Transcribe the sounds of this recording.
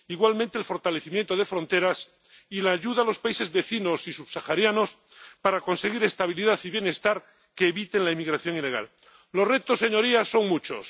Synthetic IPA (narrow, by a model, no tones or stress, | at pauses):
iɣwalmẽnt̪elfo̞ɾt̪ale̞θimjent̪oð̞e̞fɾo̞nt̪e̞ɾas | ilaːʝuðalo̞spaise̞zβe̞θino̞sisuβsaxaɾjano̞s | paɾako̞nse̞ɣiɾe̞st̪aβ̞iliðaθiβje̞ne̞st̪aɾ | ke̞ːβit̪enlaimiɣɾaθjo̞ŋile̞ɣ̞a̰l | lo̞sre̞t̪osːe̞ɲo̞ɾiasːo̞ŋmut͡ʃo̰s